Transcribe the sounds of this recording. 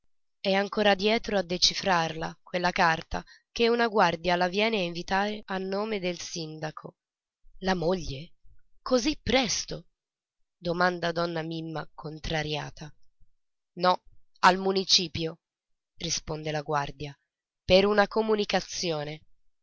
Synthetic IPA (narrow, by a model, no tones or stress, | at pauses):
ɛaŋkoːɾad̪jɛːt̪ɾoad̪ːet͡ʃifɾarlakwelːakart̪a̰ | keunaɡward̪jalavjɛːneaiɱvit̪aːɾeʔanːoːmed̪elsind̪akʰo | lamoʎːekozipːɾɛst̪o | d̪omand̪ad̪ɔnːamimːakʰont̪ɾaɾja̰ːt̪ʰa | nɔ | almunit͡ʃiːpjo | rispond̪elaɡward̪ja | peɾunakomunikat̪sːjoːne